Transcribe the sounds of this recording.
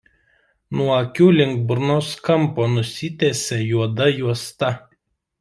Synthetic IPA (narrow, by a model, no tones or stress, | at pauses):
nuɔɐkʲuːlʲɪŋɡ̚bɾnoːskɐmpoːnʊsʲɪt̪ʲeːsʲejuɔd̪ɐjuɔst̪ɐ